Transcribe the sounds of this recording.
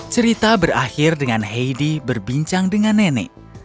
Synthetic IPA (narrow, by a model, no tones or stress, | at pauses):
t͡ʃəɾit̪abəra̰xirdəŋanɦejdibərbiɲt͡ʃaŋdəŋanːenɛ̰